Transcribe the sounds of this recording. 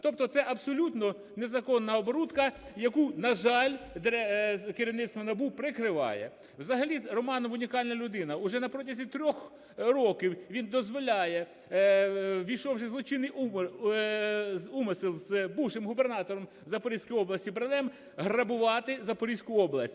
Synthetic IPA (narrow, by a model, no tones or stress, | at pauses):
t̪ɔp̚t̪ɔt̪sɛʔɐbsɔlʲut̪nɔ | nezɐkɔnːɐɔbɔɾut̪kɐjɐkunɐʒɑlʲd̪ɛkeɾʲiwnɪt̪st̪ʋɔnɐbupɾɪkɾɪʋɑ̰jɛ̰ | wzɐɦɐlʲirɔmɑnɔmʊnʲikɑlʲnɐlʲʊd̪ɪnɐʊʒɛnɐpɾɔtʲɐzʲit̪ɾʲɔx | ɾɔkʲiwʋʲind̪ɔzʋɔlʲɑjɛ | ʋʲijʃɔwʃɪzlˠɔt͡ʃɪnɪj | zumsɪlˠzbuwʃɪmɦʊbernɑt̪ɔɾɔm | zɐpɔɾʲisʲkɔjɔblˠɐsʲtʲibɾɐnɛm | ɦrɐbʊʋɑt̪ɪzɐpɔɾʲisʲkʊɔblˠɐsʲtʲ